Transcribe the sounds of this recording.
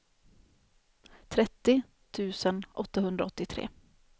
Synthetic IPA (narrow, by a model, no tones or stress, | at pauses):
t̪ʰɾɛt̪ːɪ | t̪ʰʉ̟ːsənʔɔt̪ːaɦɵnd̪ɾaɔt̪ːɪt̪ʰɾḛː